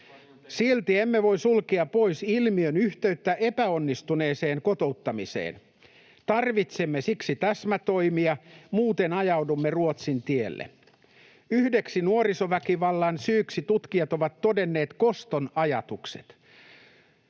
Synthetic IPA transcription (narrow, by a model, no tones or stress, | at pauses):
silt̪iemːeʋo̞isulkiɑpoisilmiønyht̪eyt̪ːæʔepæonːist̪une̞ːseːŋkot̪o̞ut̪ːɑmisḛːn | t̪ɑrʋit̪semːesiksit̪æsmæt̪o̞imiɑmuːt̪enɑjɑwdumːeruot̪sint̪ielːḛ | yhdeksinuorisoʋækiʋɑlːɑnsyːksit̪ut̪kiɑt̪o̞ʋɑt̪ːodenːeːt̪ko̞st̪onɑjɑt̪uksḛt̪